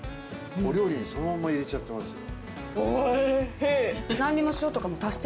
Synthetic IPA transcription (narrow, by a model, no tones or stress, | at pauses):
oɾʲjo̞ːɾʲiɲ̟ːiso̞nomãmːaiɾe̞t͡ɕat̪ːe̞masɨ | enãɲ̟ːimo̞ɕio̞t̪o̞kamo̞t̪ast̪